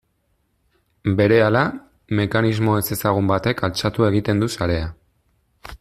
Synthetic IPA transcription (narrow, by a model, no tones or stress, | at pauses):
be̞ɾe̞ala | me̞kanizmo̞e̞se̞saɣ̞umbat̪e̞kalt͡ʃat̪ue̞ɣ̞it̪e̞nd̪usaɾe̞a